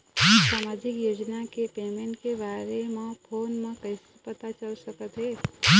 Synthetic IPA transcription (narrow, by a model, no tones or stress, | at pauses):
saːmaːd͡ʒɪkjoːd͡ʒnakepeːmẽɳʈkebaːɾemãpʰoːnmãkɐɪs | pət̪at͡ʃɐlsɐkət̪ɦɛː